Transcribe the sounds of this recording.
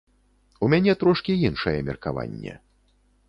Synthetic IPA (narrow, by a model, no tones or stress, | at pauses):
umʲanʲɛt̪ɾɔʂkʲiinʂɐjɛmʲɛrkava̰nʲːɛ̰